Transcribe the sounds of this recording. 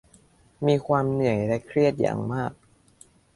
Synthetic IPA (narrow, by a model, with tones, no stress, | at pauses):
miː˧kʰwaː˧mnɯ˨˩əjlɛ˦˥kʰɾi˥˩ət̪̚ja̰ː˨˩˦ŋmaː˥˩k̚